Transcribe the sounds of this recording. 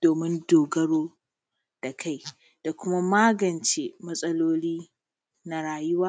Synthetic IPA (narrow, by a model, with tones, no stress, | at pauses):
d̥oː˨mɪ˦ndoː˨ɡɐ˦ɽoː˦ | d̥a˨kʰa˦j | d̥a˨kʷʊ˦ma˦maː˦ɡɐ˨nt͡ʃeː˨mɐ˦sʼɐ˦loː˦liː˦ | na˨ɽaː˨jʊ˦waː˦